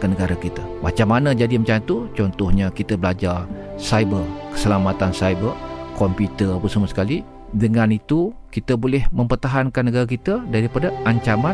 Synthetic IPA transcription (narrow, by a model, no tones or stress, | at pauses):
kanəɡaɾakit̪amat͡ʃamːanəd͡ʒadimət͡ʃat̪ut͡ʃɔnt̪ɔhɲakit̪abəlad͡ʒar | sajbərkə̥səlamat̪ansajbərkɔmput̪əpəsəmasə̥kali | dəŋanit̪ukit̪abolɛhmə̃mpərt̪aɦankanːəɡaɾakit̪adaɾipadaʔaɲt͡ʃama